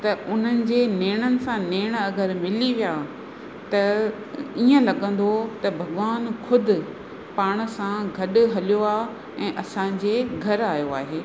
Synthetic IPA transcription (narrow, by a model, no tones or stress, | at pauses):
t̪ɐʊn̤ənɪ̆d͡ʑeːneːɽ̃ənɪ̆sãneːɽ̃ɐɡəɾmɪliʋijaː | t̪ɐ | iːə̃lɐɠə̃n̆d̪ʱot̪ɐbʱɐɡʋaːnkʰʊd̪ʱɪ̆ | paːɽ̃̆sãɡʱɐɗʊɦɐlijoaː | ɛ̃ːʔɐsã̆d͡ʑeːɡʱɐɾaːjoaːɦeː